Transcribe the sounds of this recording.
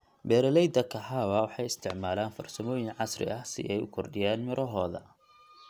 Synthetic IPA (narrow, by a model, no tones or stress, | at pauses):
bɛːɾɐlɛjd̪ɐkʰɐɦaːwɐwɑħɑjɪst̪ʰɪʕmaːlaːnfɐ̰rsɐmɔːjɪnʕɑsrɪ̰ʔɐhsɪ̰ʔɛjʊ̰kʰɔrɖɪjaːnmɪɾʔɔɦɔːðɐ̰